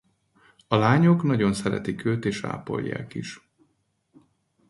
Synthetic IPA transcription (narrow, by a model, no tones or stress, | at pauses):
ɒlaːɲo̞knɒɟo̞nsɛɾɛ̰t̪ikøːt̪eːʃa̰ːpo̞̰ʎːa̰ːkiʃ